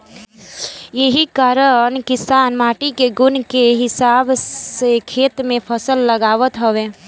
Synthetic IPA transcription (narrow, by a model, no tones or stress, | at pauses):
jəɦikaːɾənkɪsaːnmaːʈikeɡʊnkeɦɪsaːbsekʰeːt̪mẽpʰəsəlːəɡaːʋət̪ɦəʋeː